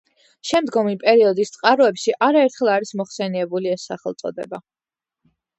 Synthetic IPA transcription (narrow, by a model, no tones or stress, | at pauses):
ʃɛmd̪ɡɔmipʼɛɾiɔd̪ist̪sʼqʼaɾɔɛpʃiʔaɾaɛɾt̪ʰχɛlˠaɾismɔχsɛniɛbuliɛsːaχɛ̰lˠt̪sʼɔ̰d̪ɛ̰ba